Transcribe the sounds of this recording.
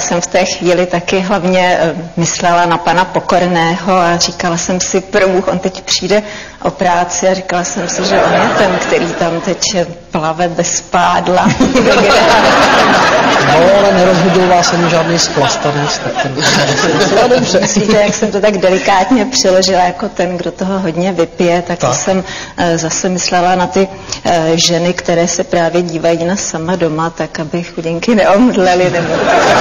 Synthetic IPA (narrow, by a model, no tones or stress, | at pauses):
sɛmft̪ɛːxviːlɪt̪akɪɦlavɲɛmɪslɛlanapanapo̞ko̞ɾnɛːɦo̞arikalasɛmsɪpɾobuːxʔo̞̰nt̪ɛcpr̥iːdɛ | ʔo̞pɾaːt͡sɪarɪkalasɛmsɪʒɛʔonjɛt̪ɛmkt̪ɛɾiːt̪amt̪ɛcjɛplavɛbɛspaːdlavɛɡɪɾɛa | boloalɛnɛɾozɦudowvaːsɛnuʒaːdnijsplast̪anɛt͡st̪akt̪ɛn | bodobrɛmɪsiːt̪ɛjaksɛmt̪ot̪aɡdɛlɪkaːt̪ɲɛpr̥ɪlo̞ʒɪlajako̞t̪ɛnɡdo̞t̪oɦo̞ɦo̞dɲɛvɪpɪjɛt̪aksɛmzasɛmɪslɛlanat̪ɪ | ʒɛnɪkt̪ɛɾɛːsɛpɾaːvjɛɟiːvajiːnasamado̞mat̪akabɪxuɟɪŋkɪnɛʔomdlɛlɪnɛbot̪